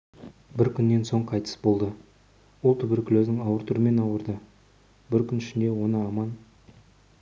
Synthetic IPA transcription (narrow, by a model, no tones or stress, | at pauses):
bɪɾkʲʰʏnːe̞nso̞ɴqʰɑjt̪ʰə̥sbo̞lˠd̪ə | wolˠt̪ʰʏbɪɾkʲʰɪlɵznɪŋɑwəɾt̪ʰʊɾəme̞nɑwəɾd̪ə | bɪɾkʲʰʏnɪʃɪnd̪e̞wo̞nəɑmɑn